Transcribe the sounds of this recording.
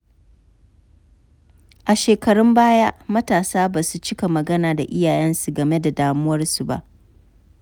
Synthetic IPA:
ʔa˨ʃeː˨kɐ˨ɽʊ˦mbaː˦jaː˦mɐ˦taː˨saː˦baː˨su˦t͡ʃɪ˦ka˨mɐ˨ɡɐ˦naː˨da˨ʔɪ˦jaː˨jɛ˦nsu˨ɡɐ˨me˦da˨daː˨mʊ˦wɐ˦rsu˨ba̰˦˨ʔ

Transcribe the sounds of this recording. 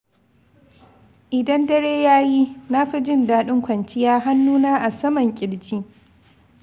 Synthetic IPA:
ʔɪ˨dɐ˦ndɐ˦ɽeː˦jaː˦jiː˦na˦ɸi˦d͡ʒɪ˦ndaː˦ɗʊ˦ŋkʷɐ˨nt͡ʃɪ˦jaː˦ɦa˦nːuː˦naː˦ʔa˨sɐ˦mɐ˨ŋkʲʼɪ˨ɽd͡ʒiː˦

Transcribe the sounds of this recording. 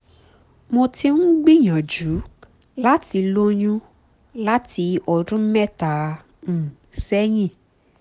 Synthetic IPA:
mo˧ti˧nũ˦ɡ͡bĩ˦ɲ̃ã˨d͡ʒu˨˦ | la˦ti˧lo˦ɲũ˦ | la˦ti˧ɔ˨dũ˦mɛ̃˦ta˨ | n̩˨sɛ˦j̃ĩ˦˨

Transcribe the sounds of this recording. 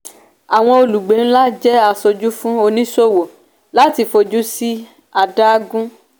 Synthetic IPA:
a˨w̃ɔ̃˧o˧lu˨ɡ͡be˨˦n̩˦la˦d͡ʒɛ˦a˧so˧d͡ʒu˦fũ˦o˧nĩ˦so˦˨wo˨ | la˦ti˧fo˧d͡ʒu˦si˦ | a˧da˦ɡũ˦

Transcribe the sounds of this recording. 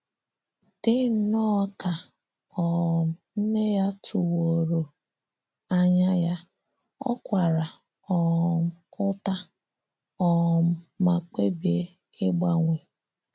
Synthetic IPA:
tɪ˦n̩˦nɔ˦ka˨ | ɔ˨m̩˨n̩˦ne˦ja˦tʰʊ˨wo˨ɾo˨ | a˦ɲa˦ja˦ | ɔ̰˦kʷa˨ɾa˨ | ɔ˨m̩˨ʊ˦ta˦ | ɔ˦˨m̩˨ma˨k͡pe˦bi˨e˨˦ | ɪ˦ɡ͡ba˦ŋʷe˨

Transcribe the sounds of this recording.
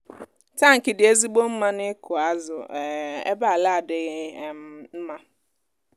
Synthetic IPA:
ta˦˨ŋ̩˨kɪ˨dɪ˨e˦zi˦ɡ͡bo˦m̩˦ma˦nɪ˦kʊ˨a˦zʊ̰˨ḛ˦ba˦a˨la˦˨a˨dɪ˨ɣm˦m̩˦ma˦

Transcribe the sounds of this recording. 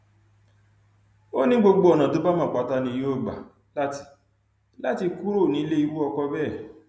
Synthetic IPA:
o˦nĩ˦ɡ͡bo˧ɡ͡bo˧ɔ˨nã˨to˨˦ba˦mã˦˨k͡pa˨˦ta˧nĩ˧jo˦˨ɡ͡ba̰˨ | la˦ti̥˧ | la˦ti˧ku˦ɾo˦˨nĩ˨˦le˦i˧˦wu˦ɔ˧kɔ˧bɛ˦˨

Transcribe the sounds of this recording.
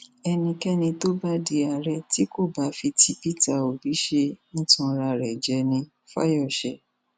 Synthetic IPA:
ɛ˧nĩ˧kɛ˦nĩ˧to˦ba˦di˧a˨ɾɛ˧ti˨˦ko˦˨ba˨˦fi˧ti˧˦pi˦ta˦˨o˨bi˨˦ʃe˧ñ̩˦tũ˧ɾa˧ɾɛ˨d͡ʒɛ˧˦nĩ˧ | fa̰˦jɔ˦˨ʃɛ˧˦

